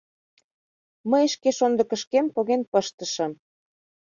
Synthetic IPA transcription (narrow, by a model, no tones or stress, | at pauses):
məjəʃkeʃond̪ɤ̆kə̆ʃkempoɣenpəʃt̪ə̆ʃə̆m